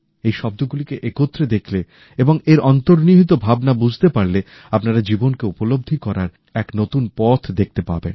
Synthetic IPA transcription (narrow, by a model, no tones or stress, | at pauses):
ejʃɔb̚d̪oɡulikeʔekot̪ːɾed̪ekʰle | eboŋeɾʔɔnt̪oɾniɦit̪obʱabnabud͡ʑʱt̪epaɾle | apnaɾad͡ʑibonkeupolob̚d̪ʱikɔɾaɾ | ɛknot̪unpɔt̪ʰd̪ek̚ʰt̪epa̰ɾbḛn